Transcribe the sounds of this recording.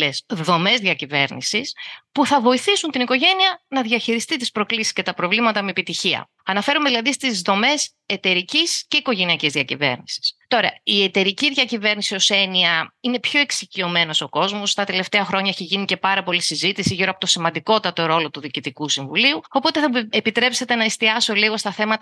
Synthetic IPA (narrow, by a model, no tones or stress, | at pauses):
esðo̞me̞zðʝɐcive̞ɾnḭsispuθɐvo̞iθisunt̪iniko̞ʝe̞niɐnɐðʝɐçiɾist̪it̪ispɾo̞klisi̥sce̞t̪ɐpɾo̞vlimɐt̪ɐmeepit̪içiɐ̰ | ɐnɐfe̞ɾumeðilɐðist̪izðo̞me̞s | e̞t̪e̞ɾicisce̞iko̞ʝe̞niɐcizðiɐcive̞̰ɾnisi̥st̪o̞ɾɐie̞t̪e̞ɾiciðʝɐcive̞ɾnisio̞se̞niɐine̞pço̞e̞ksicio̞me̞no̞so̞ko̞zmo̞st̪ɐt̪e̞le̞ft̪eɐxɾo̞ɲɐeçiʝinice̞pɐɾɐpo̞lisizit̪isiʝiɾoɐpo̞t̪o̞simɐnd̪iko̞t̪ɐt̪o̞ɾo̞lo̞t̪uðicit̪ikusiɱvuliuo̞po̞t̪eθɐepit̪ɾe̞pse̞t̪e̞nɐist̪iɐso̞liɣo̞st̪ɐθe̞mɐt̪